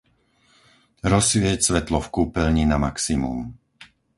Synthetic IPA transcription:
ɾɔsʋɪɛcsʋɛt̪lɔfkuːpɛlɲinamaksimṵm

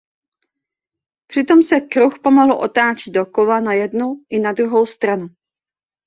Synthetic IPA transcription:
pr̝̥ɪt̪o̞msɛkɾuxpomoɦl̩ʔo̞̰t̪aːt͡ʃɪd̪̚dokovanajɛdnuʔɪnadɾuɦo̞wst̪ɾanu

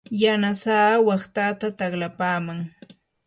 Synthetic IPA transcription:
janasaːwɑχt̪at̪at̪aχlapaːmaŋ

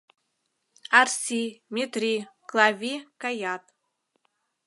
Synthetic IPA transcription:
arsʲimʲet̪rʲiklˠavʲikajat̪

